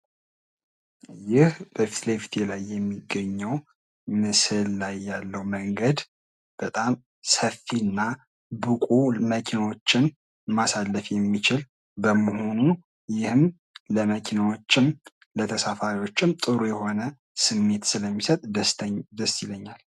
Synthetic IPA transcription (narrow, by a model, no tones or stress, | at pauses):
jɪhb̥əfit̪lefi̥t̪ʰelajːɛmːiɡəɲːəw | mɨsɨlːajːalːəwməŋɡəd̪ | b̥ət̪ʼam | səfːinːa | bɨkʼuməkʰinwo̞t͡ʃːɪn | masalːəfjɛmːit͡ʃɪl | bəmoho̞nu | jɪhɨm | ləməkʰinwot͡ʃːɪn | lət̪ʰəsafaɾiwo̞t͡ʃːɪmt̪ʼɨɾujɛho̞nə | sɨmːe̞t̪sɨləmːisət̪ʼd̪əst̪iləɲːal